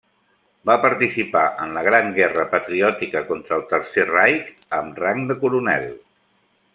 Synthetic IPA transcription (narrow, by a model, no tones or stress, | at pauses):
bapəɾt̪isipaʔənləɣ̞ɾaŋɡɛrəpət̪ɾiɔt̪ikəkɔnt̪ɾəːlˠt̪əɾserajk | əmraŋd̪əkuɾunɛ̰lˠ